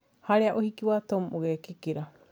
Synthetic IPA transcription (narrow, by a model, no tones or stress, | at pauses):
haɾeaʔohikiwat̪omʔuɣekikiɾa